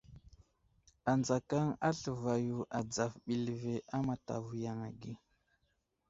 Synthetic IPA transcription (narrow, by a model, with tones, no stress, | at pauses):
a˨nd͡za˨ka˦ŋa˦ɬə˨va˨ju˨ʔa˨d͡za˨fɓi˨lve˨ʔa˦ma˨ta̰˨vu˨ja˨ŋa˨ɡi˦